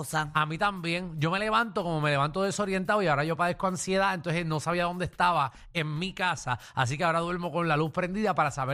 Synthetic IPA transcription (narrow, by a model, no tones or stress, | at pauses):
saamĩt̪ambje̞ŋd͡ʒo̞me̞le̞βant̪o̞ko̞mo̞me̞le̞βant̪o̞ðe̞so̞ɾje̞nt̪aoiao̞ɾaʝo̞paðe̞hko̞aŋsje̞ðaent̪o̞nseno̞saβiaðo̞nd̪est̪aβa | e̞ŋmikasa̰a̰s̬ik̬eao̞ɾaðwe̞ɾmo̞ko̞nlaluspɾe̞nd̪iðapaɾasaβe